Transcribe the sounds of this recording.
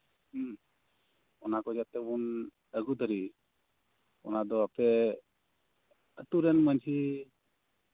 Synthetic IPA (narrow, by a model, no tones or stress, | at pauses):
ɔnakɔd͡ʒat̪ɛbun | əɡud̪əɾi | ɔ̰nad̪ɔapɛ | ət̪uɾɛnməɲt͡ʃʰi